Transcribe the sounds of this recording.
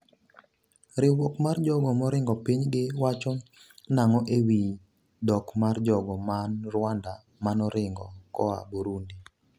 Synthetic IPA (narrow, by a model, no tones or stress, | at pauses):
ɾɪwokmard͡ʒɔɡɔmɔɾɪŋɡɔpiɲɡɪwat͡ʃɔ | naŋɔʔewi | dɔkmard͡ʒɔɡɔmanrwanda | manɔɾɪŋɡɔkɔa̰buɾundi